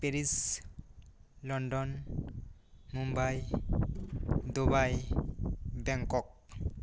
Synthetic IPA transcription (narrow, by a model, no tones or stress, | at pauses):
peɾis | lɔnɖɔn | mumbaj | d̪ubaj | bɛŋkɔk̚